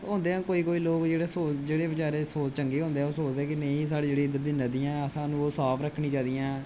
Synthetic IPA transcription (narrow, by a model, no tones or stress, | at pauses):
ɦõːnd̪eːãːkoːiːkoːiːloːkd͡ʒeːɽeːsoːd͡ʒeːɽeːbət͡ʃaːɾeːsoːt͡ʃəŋɡeːɦõːnd̪eːoːsoːt͡ʃd̪eːkinẽĩːs̬aːɽeːd͡ʒeːɽiːɪd̪əɾd̪iːnəd̪iːãːəsãːnũːoːsaːpʰɾəkʰːɳĩːt͡ʃãːd̪ijãː